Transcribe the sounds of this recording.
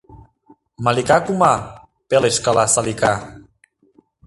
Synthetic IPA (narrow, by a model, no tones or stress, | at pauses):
malikakuma | peleskalasalika